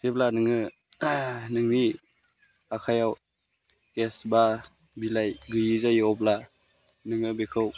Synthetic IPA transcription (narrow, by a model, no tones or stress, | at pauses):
seplanɯŋɯ | nɯŋni | akʰajaw | esba | bilajɡɯjizajɔp̬̚la | nɯŋɯbekʰɯw